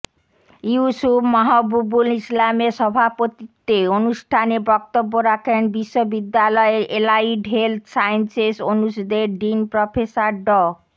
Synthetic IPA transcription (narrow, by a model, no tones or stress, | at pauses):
juusupmaɦɔbubulislameɾʃɔbʱapot̪it̪eonuʃʈʰanebɔk̚t̪obːoɾakʰenbiʃːobid̪ːalɔeɾʔelaiɖɦelt̪ʰsajensesonusud̪eɾɖinpɾɔpʰesaɾɖɔ